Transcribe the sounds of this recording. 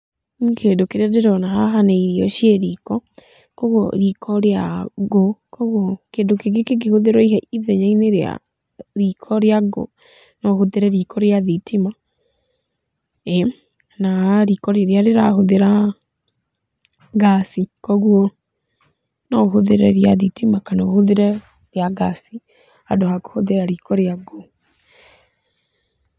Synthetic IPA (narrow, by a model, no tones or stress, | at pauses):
kʰendokeɾadeɾɔnahaɦaneiɾiɔʃieɾikɔ | kɔɣwɔ̰ɾikʰɔɾeaɡokɔɣwɔkendokeɡekeɡ̬ehoðeɾwɔihɛiðɛɲaineɾea̰ | ɾikʰɔɾjaɡo̰ | nɔhoðeɾɛɾikʰɔɾjaðitʰima | ɛ | naɾikɔɾeɾjaɾeɾahoðeɾa | ɡasikɔɣwɔ | nɔhoðeɾɛɾjaðitimakanohoðeɾɛ | ɾjaɣasi | adohako̥hoðeɾaɾikʰɔɾjaɡɔ